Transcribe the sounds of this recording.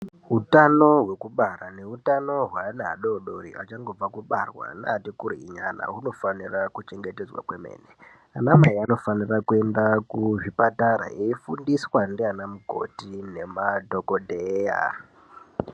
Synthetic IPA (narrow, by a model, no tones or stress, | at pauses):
ɦutano̞ɦwe̞kuɓaɾane̞ɦutano̞ɦwanaa̰ɗoɗoɾḭat͡ʃaŋɡo̞b͡vakuɓarwa̰naatikuɾiiɲana̰ɦuno̞fanirakut͡ʃe̞ŋɡe̞te̞d͡zwa̰kwemḛːne | anamaiano̞fanirakue̞ndakuʐipataɾa̰eifundiswandianamuɡʱo̞̰tine̞madʱokodʱeja̰